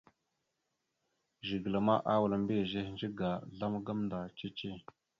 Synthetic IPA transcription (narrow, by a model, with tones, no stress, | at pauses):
ʒi˨ɡə˨la˨ma˦ʔa˦wa˨la˨mbe˦˨ʒe˦hnd͡ʒi˦ɡa˨ɮa˦m˦ɡa˦mnda˨t͡ʃe˦t͡ʃe˦˨